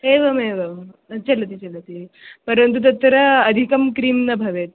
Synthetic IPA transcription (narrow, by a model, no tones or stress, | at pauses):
eʋɐmeʋɐmt͡ʃɐlɐt̪̬it͡ʃɐlɐt̪ipəɾənt̪̬ut̪ɐt̪ːɾɐːd̪ʱikɐmkɾiːmnɐbʱɐʋet̪̚